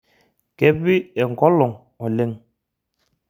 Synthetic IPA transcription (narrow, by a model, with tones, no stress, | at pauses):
kɛ˦bi˦ɛ˨ŋ˨kɔ˦lɔ˨ŋ | ɔ˨le˦ŋ